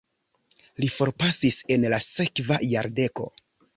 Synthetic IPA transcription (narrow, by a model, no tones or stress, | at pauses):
lifo̞ɾpasise̞nlase̞kvajaɾde̞ko̞̰